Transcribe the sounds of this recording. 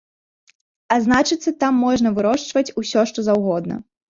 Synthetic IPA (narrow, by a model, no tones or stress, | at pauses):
aznat͡ʂɨt̪sːɐt̪amːɔʐnɐvɨɾɔʂt͡ʂvɐt͡sʲusʲɔʂt̪ɔzawɣɔd̪̚nɐ̰